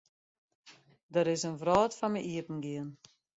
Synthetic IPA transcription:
dəɾɪsənvrɔːtfanməʔiəpn̩ɡiən

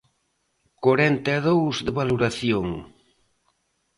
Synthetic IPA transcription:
kaɾɛnt̪eaðowzðeβaloɾaθjoŋ

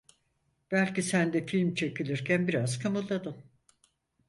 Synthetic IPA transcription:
b̥ælʲcisænd̪ɛfilʲmt͡ʃʰe̞cilʲiɾcʰænbiɾaz̥kʰamulˠːad̪ɯm

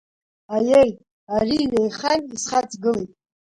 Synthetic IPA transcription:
ajej | ariːnejχanisχat͡sʰʼɡɨlejtʼ

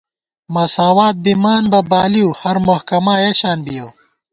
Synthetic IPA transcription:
masaːwaːt̪̚bimaːnbɐbaːliuhɐɾmohkɐmaːjeɕaːnbijɐw

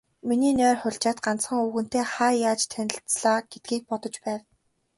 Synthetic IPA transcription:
miniːnʲœːrχʊɮt͡ɕaːt̪ɢant͡sχə̆ŋuɣɘ̆n̥t̪eːχajaːt͡ɕt̪ʰænʲɪ̆ɬt͡sɮaːɡ̥et̪̚ɡiːk̚pɔt̪ɞ̆t͡ɕpæːw

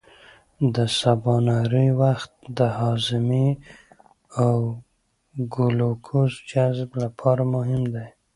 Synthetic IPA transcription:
d̪əsabɑnɑɾiwaxt̪̚d̪əhɑzɪmi | aw | ɡulokʰuzd͡ʒazblapʰɑɾamʊɦɪmd̪aj

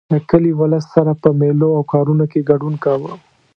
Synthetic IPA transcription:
ləkəliwaləst̪saɾapəmeloawkɑɾunokeɡɐɖunkawə

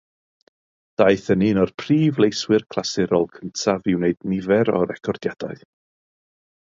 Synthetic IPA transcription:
d̥aɨθəninɔrpʰriːvlˠejswɨrkʰl̥ˠasɪɾɔlˠkʰəntʰavɪwneɨdnɪvɛɾɔ̰ɾɛkʰɔrd̥jad̥aɨð

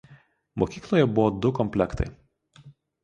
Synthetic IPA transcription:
moːkʲiːklˠoːjɛbʊʋɔd̪ʊkɔmʲpʲlʲɛkt̪ɐ̰ɪ

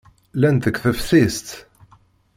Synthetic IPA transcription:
lænt̪əkθəfθist̪

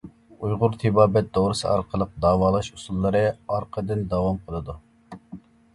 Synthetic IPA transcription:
ujʁʊɾt̪ʰibɑːbɛt̪̚d̪owɾɨsɨ̰ɑɾqʰəlˠəq̚d̪ɑːwɑːlˠɑʃusulˠːɨɾɨɑɾqʰəd̪ɨnd̪ɑwɑmqʰəlˠɨd̪u

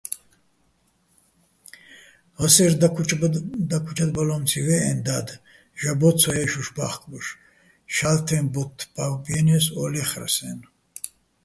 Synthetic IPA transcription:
həsɛɾ | d̪akʰut͡ʃʰad̪balɔmt͡sʰivɛɛ̰nd̪ad̪ | ʒabɔt͡sʰɔɛʃuʃbaχkʼbuʃ | ʃalt̪ʰɛmbɔt̪ʰːbawbjɛnɛsɔlɛχɾa̰sɛ̰n

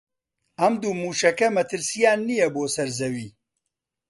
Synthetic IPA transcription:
ɐmd̪uːmuːʃɐkɐmɐt̪ʰɨɾsijaːnːijɛboːsɐɾzɐwiː

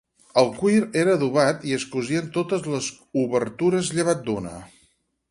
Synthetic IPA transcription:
əlˠkwiɾeɾəðuβ̞at̪iəskuziənt̪ot̪əzləz | uβəɾt̪uɾəzʎəβ̞at̪̚d̪unə̰

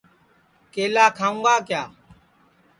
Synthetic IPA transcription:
keːlaːkʰaːũːɡaːkjaː

